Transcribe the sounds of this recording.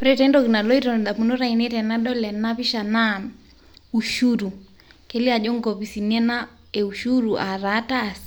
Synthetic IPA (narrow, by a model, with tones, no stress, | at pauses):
pɾɛtɛndɔkina˨lɔ˦itɔn˨ɗa˨pu˨nɔ˦ɾa˦inɛtɛ˨naɗɔ˦lɛ˨naβi˦ʃa˨na˦ | u˨ʃuɾu˨ | kɛ˦li˦a˨ʄɔ˦ŋɡɔβi˨si˨nɛ˦na˦ | ɛ˨uʃuɾu˨ʔa˨ɾataː˦˨s